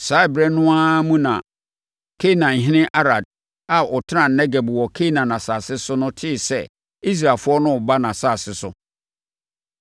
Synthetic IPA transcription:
sa˦bɾɛ̃˨nːʊ̃˦a˦mũ˦nã˨ | kʰe˦˨nã˨ɦɪ̃˦nɪ̃˦ʔa˦ɾa˨d̚ | a˨ɔ˨tʰɪ˦nã˨n˨nɛ˦ɡɛ˨bwɔ˨kʰe˦nã˨nã˨saː˨sɪ˦sʊ˦nʊ̃˦tʰɪ˦˨sɛ˦ | i˦s̬ɾa˨fʊ˦ɔ˦nʊ̃˦˨ba˦nã˨saː˦˨sɪ˦sʊ˦

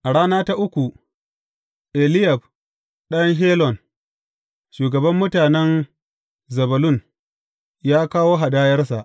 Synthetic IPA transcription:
ʔa˨ɽaː˦naː˦ta˦ʔʊ˦kʷu˨ | ʔe˨lɪ˦jɐ˨b̚ | ɗɐ˦ŋɦeː˦lɔ˨n | ʃuː˨ɡɐ˨bɐ˦mːʊ˦taː˨nɛ˦n | zɐ˨bɐ˨lʊ˦˨n | jaː˦kaː˦woː˦ɦa˨daː˦jɐ˦rsa˨ʔ

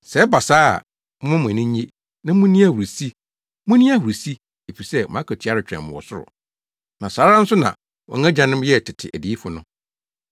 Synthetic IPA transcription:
sɛ˨˦ba˨sa̰ː˦˨ | m̩̃˦mʊ̃˦m̃˨nɪ̃˦ɲe˦ | nã˦mʊ̃˦nĩ˦a˦wu˨ɾi˨si˦ | mʊ̃˦nĩ˦a˦wu˨ɾi˨si˦ | e˨fi˨sɛ˦˨ãː˨˦kʰɛ˨tʰi˨˦a˦ɾɪ˨t͡ɕᶣɾɛ̰̃˨mʊ̃˨wɔ˨sʊ˦ɾʊ̰˨ | nã˨saː˨˦ɾa˦n̩˦sʊ˦nã̰˨ | wɔ̰̃˨ŋ˦æ̃˦d͡ʑã˨nɪ̃˦m˦jɛ˦˨tʰɪ˨tʰɪ̰˨ʔæ˨di˨˦fʊ˨nʊ̃˦

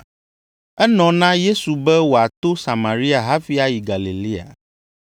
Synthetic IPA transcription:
ɛ˦nɔ̃˨nã˦je˦su˨bɛ˦wo˨a˨t̪o˦sa˨mã˨ɾi˦a˨ɦa˦fi˦a˦ji˨ɡa˨li˨li˦a̰˨

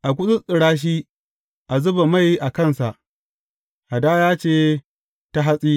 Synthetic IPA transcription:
ʔa˨kʷʊ˦sʊ˦sʼɪ˨ɽaː˦ʃ̬iː˦ | ʔa˨zʊ˦ba˨ma˦˨jʔa˨kɐ˦˨nsa˨ʔ | ʔa˨daː˦jaː˦t͡ʃeː˦˨ | ta˦ɦa˦sʼiː˦

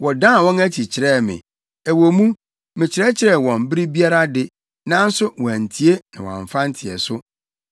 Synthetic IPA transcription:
wɔ˨dã˦˨wɔ̃˦næ˦t͡ɕʰi˨t͡ɕʰɪ˨ɾɛ˦˨mɪ̰̃˨ | æ˨wo˨mũ˦ | mɪ̃˨t͡ɕʰɪ˨ɾɛ˦t͡ɕʰɪ˨ɾɛ˨wɔ̃˨m˦bɪ˦ɾi˦bi˦a˦ɾa˦dɪ˦ | nã˦n̩˦sʊ˦wɔ˨æ˨n̩˨tʰi˨e˦nã˨wã̰˨ɱ˨fã˦n̩˦tʰɪ˨ɛ̰˨sʊ˦

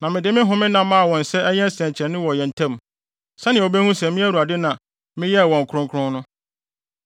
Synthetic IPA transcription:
nã˨mɪ̃˨dɪ˨˦mɪ̃˦ɦʊ̃˨mɪ̃˦nã˨mːã˦a˨wɔ̃˨n̩˨sɛ˦ɲɛ̃˦n˦sɛ̃˨ɲ˨t͡ɕʰɛ̃˨nɪ̃˦wɔ˨jɛ˨n̩˨tʰã˦m | sɛ˦nɪ̃˨o˨be˦hũ˦sɛ˨mɪ̃˦æ˦ɾu˨a˨dɪ˦nã˨ | mɪ̃˦jɛ˦˨wɔ̃˨ŋ̩˨kʰʊ˦ɾʊ̃˦ŋkʰʊ̃˦nʊ̃˦

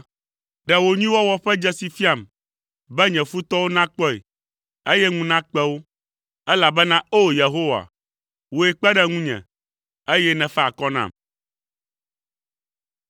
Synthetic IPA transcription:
ɖɛ˨wo˨ɲĩ˦wɔ˦wɔ˦ɸɛ˦d͡ʒɛ˦si˨fi˦a˦˨m | bɛ˦ɲɛ̃˨fu˦t̪ɔ˦wo˦nã˦k͡pɔ˦ḛ˨ | e˦jɛ˦ŋũ˦nã˦k͡pɛ˦wo˦ | ɛ˦la˨bɛ˦nã˦o˦je˨ɦo˦wa̰˨ | wo˨ɛ˨k͡pɛ˦ɖɛ˦ŋũ˦ɲɛ̰̃˨ | e˦jɛ˦nɛ̃˨fɛ˦a˨kɔ˦nã̰˦˨m

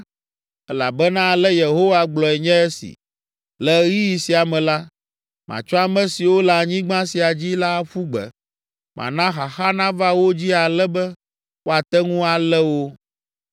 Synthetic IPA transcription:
ɛ˦la̰˨bɛ˦nã˦˨lɛ˦je˨ɦo˦wa˦ɡ͡blɔ˨ɛ˨ɲɛ̃˦ɛ˦sḭ˨ | lɛ˨ɣi˦ji˨si˨a˨mɛ̃˨la˦ | mã̰˨t͡ʃɔ˦a˨mɛ̃˦si˨wo˦la˨ɲĩ˦ɡ͡bã˦si˨a˨d͡ʑi˦la˦ɸu˦ɡ͡bɛ̰˨ | mʔã̰˨nã˦xa˨xa˦nã˦va˦wo˦d͡ʑi˦a˨lɛ˦bɛ˦ | wo˦a˨t̪ɛ˦ŋũ˦a˨lɛ˦wo˦

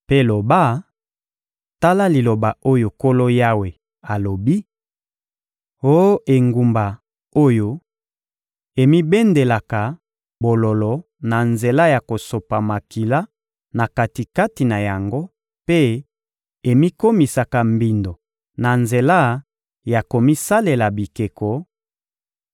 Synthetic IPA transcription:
pe˦lo˨ba˦ | ta˦la˦li˨lo˨ba˨o˦jo˨ko˦lo˦ja˦we˨ | a˨lo˨bi˦ | o˦ʔe˨ŋɡu˨mba˨ | o˦jo˦ | e˨mi˦be˦nde˨la˨ka˨ | bo˨lo˨lɔ˨ | na˨nze˨la˦ja˨ko˨so˨pa˨ma˨ki˨la˦ | na˨ka˨ti˨ka˦ti˨na˨ja˨ŋɡo˦ | pe˦ | e˨mi˦ko˦mi˨sa˨ka˨mbi˨ndo˨ | na˨nze˨la˦ | ja˨ko˨mi˦sa˦le˨la˨bi˨ke˨kɔ˨

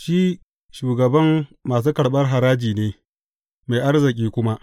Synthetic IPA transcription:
ʃi˦ | ʃuː˨ɡɐ˨bɐ˦mːaː˨s̬uː˦kɐ˨ɽɓɐ˦rɦa˨ɾaː˦d͡ʒiː˨neː˦ | ma˨jʔa˦rzɪ˨k̬ʲʼiː˦kʷʊ˦ma˦ʔ

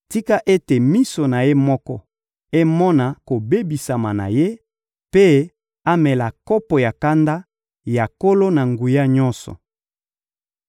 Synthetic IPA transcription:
ti˦ka˦ʔe˦te˨mi˦so˨na˨je˦mɔ˦kɔ˦ | e˦mɔ˦na˨ko˨be˦bi˨sa˨ma˨na̰˨je˦ | pe˦ | a˦mɛ˨la˨kɔ˦pɔ˨ja˨ka˦nda˦ | ja˨ko˦lo˦na˨ŋɡu˨ja˦ɲɔ̃˦nsɔ̰˨

